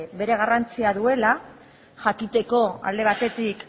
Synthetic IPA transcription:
be̞ɾe̞ɣ̞arant͡siaðue̞la | ʝakit̪e̞ko̞a̰ld̪e̞β̞at̪e̞t̪ik

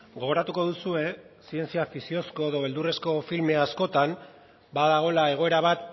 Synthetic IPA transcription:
ɡo̞ɣo̞ɾat̪uko̞ðusue̞sie̞nt͡siafisio̞sko̞eðo̞βe̞ld̪ure̞sko̞filme̞asko̞t̪am | baðaɣ̞o̞lae̞ɣ̞o̞e̞ɾaβ̞at̪̚

